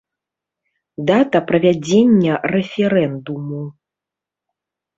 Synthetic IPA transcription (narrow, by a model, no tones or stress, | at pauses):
d̪at̪ɐpɾɐvʲad͡zʲenʲːɐrɛfʲɛɾɛnd̪umu